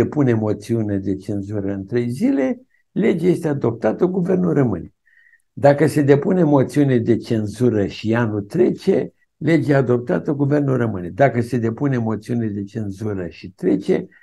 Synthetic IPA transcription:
epunemo̞t̪siuned̪e̞t͡ʃe̞nzuɾəɨnt̪ɾe̞jzile̞ | le̞d͡ʒaje̞st̪ead̪o̞p̚t̪at̪əɡuve̞rnulrəmɨne̞ | d̪akəse̞d̪e̞punemo̞t̪siunʲed̪e̞t͡ʃe̞nzuɾəʃianut̪ɾe̞t͡ʃe̞ | le̞d͡ʒead̪o̞p̚t̪at̪əɡuve̞rnulrəmɨne̞d̪akəse̞d̪e̞punemo̞t̪siuniled̪e̞t͡ʃe̞nzuɾəʃit̪ɾe̞t͡ʃe̞

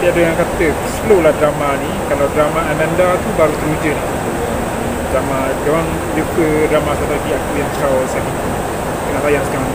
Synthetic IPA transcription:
diadəjaŋkat̪ə | slolahdɾamanikalawdɾamaʔanandat̪ubaɾut̪əɾud͡ʒəlait̪u | i | dɾama | dawaŋ | d͡ʒukədɾamasat̪aaɡiakujaŋt͡ʃawsakit̪u | dəŋant̪ajahsə̥kaɾan

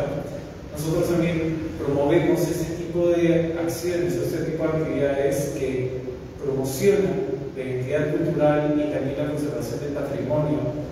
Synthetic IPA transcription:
no̞so̞t̪ɾost̪ambje̞mpɾo̞mo̞βemo̞se̞se̞t̪ipo̞ðeaksjioeneseset̪ipoðak̚t̪iβiðaðeske | pɾo̞mosjo̞nalaent̪iðaðkult̪uɾalit̪ambjenlakonseɾβasjo̞nd̪e̞lpat̪ɾimõ̞njo

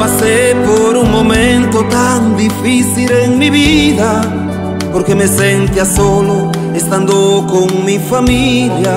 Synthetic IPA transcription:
pasepoɾuŋmomẽnt̪ot̪aŋd̪ifiθileŋmiβiða | poɾkemesent̪iasolo | est̪and̪okoŋmifamilja

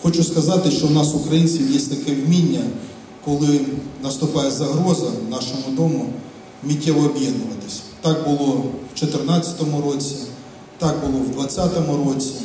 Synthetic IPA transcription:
xɔt͡ʃʊskɐzɑt̪ɪʃt͡ʃɔwnɑsʊkɾɐjinʲt͡sʲiwjɛsʲt̪ɐkɛwmʲinʲːɐ | kɔlˠɪnɐst̪ʊpɑjɛzɐɦɾɔzɐnɑʃɔmʊd̪ɔmʊ | mʲitʲːɛʋɔːbʲjɛd̪nʊʋɐt̪ɪ̥sʲɐ̥t̪ɑk̚bʊlˠɔwt͡ʃɔt̪ɪrnɑt͡sʲɐ̥t̪ɔmʊɾɔt͡sʲi | t̪ɑɡ̚bʊlˠɔwd̪ʋɐt͡sʲːat̪ɔmʊɾɔt͡sʲi

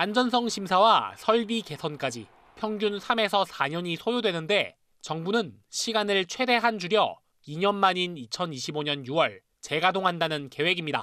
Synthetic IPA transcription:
and͡ʑʌns̬ʰʌŋɕʰimsʰawasʰʌɭbike̞sʰʌnk͈ad͡ʑi | pʰjʌŋɡjunsʰame̞sʰʌsʰaɲʌɲisʰojodwe̞nɯnde̞ | t͡ɕʌŋbunɯn | ɕʰiɡanɯɭt͡ɕʰwe̞de̞ɦand͡ʑuɾjʌ | iɲʌnmaɲinit͡ɕʰʌniɕʰiboɲʌnjuwʌɭ | t͡ɕe̞ɡadoŋɦandanɯnke̞we̞ɡimɲida̰

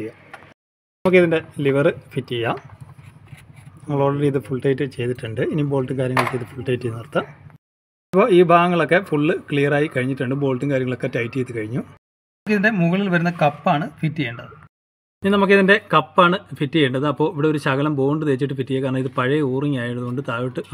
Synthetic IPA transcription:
ijːa | nɐmukːiðinde̞liʋɐrɨfitːijːa | nɐŋːɐɭoːɽɐɾiːðɨfuɭʈɐjtːɨt͡ɕe̞jt̪iʈːuɳɖɨinibo̞ːlʈːɨŋkaːɾjɐŋːɐɭkːiðɨfuɭʈɐjtːinirt̪ːɐ | ɐpːo̞ːiːbʱaːɣɐŋːɐɭo̞kːe̞fuɭːɨkɭijɐraːjikɐɻiɲːiʈːuɳɖɨbo̞ːlʈːɨŋkaːɾjɐŋːɐɭo̞kːetɐjtːijt̪ːɨkɐɻiɲːu | kːɨiðinde̞muɣɐɭilʋɐɾunːɐkɐpːaːɳɨfitːiejuɳɖɐðɨ | ininɐmukːɨiðinde̞kɐpːaːɳɨfitːijejɳɖɐðɨɐpːo̞ːiʋiɽe̞oɾuɕɐɣɐlɐmbo̞ːɳɖɨt̪eːt͡ɕːiʈːɨfitːijɐkaːɐɳnɐmiðɨpɐɻɐuːriŋaːjiɽɐðuɣo̞ɳɖɨt̪aːʋiʈːɨ

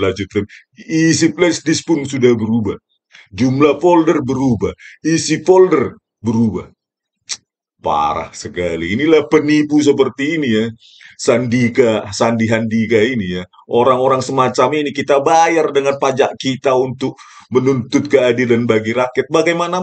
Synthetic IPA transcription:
lad͡ʒut̪̚kan | isiplɛsdɪspʊnsudahbəɾubah | d͡ʒumlapoldərbəɾubahisipoldər | bəɾuba̰h | pa̰ɾa̰hsəkaliːnilahpənipus̬əp̬ərt̪iːnija | sandikasandiɦandikainija | ʔoɾaŋoɾaŋsəmat͡ʃaminikit̪abajardəŋanpad͡ʒaʔkit̪aunt̪ʊk̚ | mənunt̪ʊt̪̚kəadilanbaɡiɾakjət̪̚baɡajmana

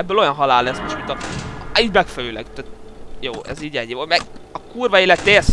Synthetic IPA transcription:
ɛbːøːlojɒnɦɒlaːlːɛsmoʃt̪mint̪ɒiːɟmɛkfɛløːlɛ̰ɡt̪at̪joːʔɛ̰ziːɟɛɟjomɛɒkuːrvɒiːlɛt̪ːɛes

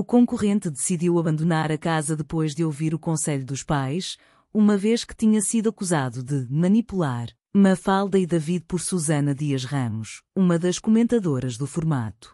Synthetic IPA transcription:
ukõŋkuʁẽnt̪d̪ɨsiðiwɐβɐ̃nd̪unaɾɐkazɐðɨpojʒðɨowviɾukõsɛʎuðuʃpajʃ | umɐveʃkɨ̥t̪iɲɐsiðuɐkuzaðuðɨmɐnipulˠaɾ | mɐfalˠd̪ɐiðɐviðpɔɾsuzɐnɐðiɐʃʁɐmuʃumɐðɐʃkumẽnt̪ɐðoɾɐʒðufuɾma̰t̪u̥

